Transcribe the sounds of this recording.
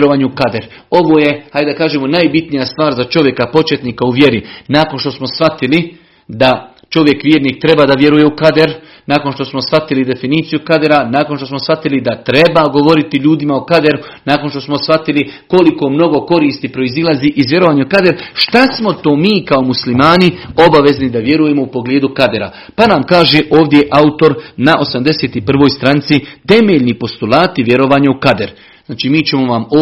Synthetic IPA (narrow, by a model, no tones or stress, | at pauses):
ɾoʋaɲukad̪eɾ | o̞ʋo̞ːje̞hajd̪d̪akaːʒeːmonajbit̪nijast̪ʋaːɾzat͡ʃo̞ʋje̞kapo̞t͡ʃet̪niːkauʋje̞ɾinaːko̞nʃt̪o̞smo̞sʋat̪ili | d̪a | t͡ʃo̞ʋje̞kʋjeːɾniːk̚t̪ɾe̞baːd̪aʋje̞ɾuje̞ukad̪eɾ | naːkonʃt̪o̞smo̞sʋat̪ilid̪e̞finiːt̪sijukad̪eɾanaːkonʃt̪o̞smo̞sfat̪ilid̪at̪ɾe̞baɡo̞ʋo̞ɾit̪iʎuːd̪imaokad̪e̞ɾu | naːko̞nʃt̪o̞smo̞sfat̪iliko̞liko̞mno̞ɡo̞ko̞ɾiːst̪ipɾo̞izilˠaziʔizʋje̞ɾo̞ʋaːɲaukad̪eɾʃt̪asmo̞t̪o̞ːmiːkaomuslimaːnio̞baʋe̞znid̪aʋje̞ɾuje̞moupo̞ɡleːd̪ukad̪e̞ɾa̰ | panaːmkaːʒe̞ʔo̞ːʋd̪jeʔaut̪o̞ɾnaʔo̞samd̪e̞seːt̪ipr̩ʋo̞ːjst̪ɾant̪sit̪e̞meʎnipo̞st̪ulˠaːt̪iʋje̞ɾo̞ʋaːɲaukad̪eɾ | znaːt͡ʃiːmiːt͡ɕe̞moʋamo